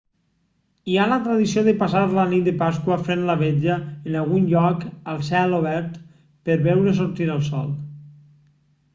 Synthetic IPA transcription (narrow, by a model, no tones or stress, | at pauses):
ialət̪ɾaðisioðəpasaɾlənit̪̚d̪epaskwəfɾenlaβed͡ʒəːnalˠɣunʎɔkəlˠsɛloβɛɾt̪ | pəɾβɛwɾəs̬oɾt̪inəlˠsɔ̰lˠ